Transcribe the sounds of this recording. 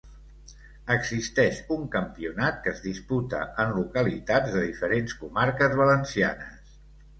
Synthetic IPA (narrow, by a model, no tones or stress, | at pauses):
əɡzist̪ɛʃuŋkəmpiunat̪̚kəzðisput̪ə̰ʔənlukəlit̪ad͡zðəðifəɾenskumaɾkəzβələnsia̰nəs